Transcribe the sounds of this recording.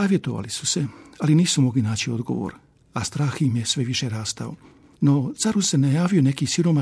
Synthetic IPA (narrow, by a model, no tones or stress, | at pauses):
aːʋjet̪o̞ʋa̰lisu̥se̞aliniːsumo̞ɡlinaːt͡ɕio̞d̪ɡo̰ʋo̰ɾ | ast̪ɾaːximjesʋe̞ʋiʃeɾaːst̪ao̰ | no̞t̪saɾusenajaːʋio̞ne̞kisiɾo̞ma